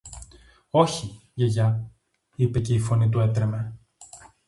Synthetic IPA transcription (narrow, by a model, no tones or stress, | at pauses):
o̞çiʝeʝɐ | ipe̞ce̞ifo̞nit̪̬ue̞t̪ɾe̞me̞